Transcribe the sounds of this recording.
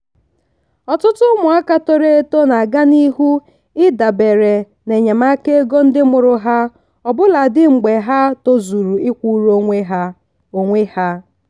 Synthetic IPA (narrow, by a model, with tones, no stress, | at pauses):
ɔ˨tʊ˦tʊ˦mʊ˨a˦ka˦to˦ɾe˦e˦to˦na˨ɡa˦ni˦ɦu˦ | ɪ˦da˨be˨ɾe˨ | ne˨ɲa˨ma˦ke˦e˦ɡo˦n̩˦dɪ˦mʊ˨ɾʊ˦ɦa˦ | ɔ˨bʊ˦la˨dɪ˦ŋ͡m̩˨ɡ͡be˨ɦa˦to˦zu˨ɾu˨ɪ˦kʷu˦ɾo˦ŋʷe˦ɦa˦ | o˨ŋʷe˦ha˦